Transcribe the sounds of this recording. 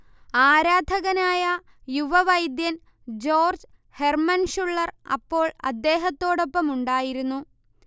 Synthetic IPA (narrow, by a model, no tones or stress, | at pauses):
aːɾaːd̪ʱɐɣɐnaːjɐ | juʋɐʋɐjd̪jɐn | d͡ʑo̞ːrd͡ʑ | he̞rmɐnʂuɭːɐrɐ̰pːo̞ːɭɐ̰d̪ːe̞ːɦɐt̪ːo̞ːɽo̞pːɐmuɳɖaːjiɾunːu